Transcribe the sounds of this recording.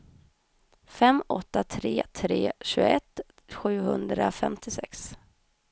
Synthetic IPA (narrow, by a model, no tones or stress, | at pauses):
fɛmɔt̪ːat̪ʰɾeːt̪ʰɾeːɕʉːɡɛt̪ | ɧʉ̟ːhɵnd̪ɾafɛmt̪ʰɪsɛks